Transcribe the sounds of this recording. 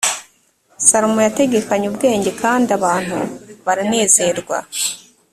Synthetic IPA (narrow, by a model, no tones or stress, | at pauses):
saɾomojate̞ɡe̞kaɲubɡe̞ːɲɟe̞kʰaːndiaβaːn̥hṵβaɾane̞ːze̞ɾɡwa̰